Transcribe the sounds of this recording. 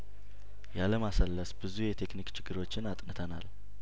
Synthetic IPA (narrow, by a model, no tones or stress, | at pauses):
jaləmasəlːəsbɨzujɛt̪ʰe̞knikt͡ʃʰɪɡːɨɾo̞t͡ʃːɪnat̪ʼnɨt̪ʰəna̰l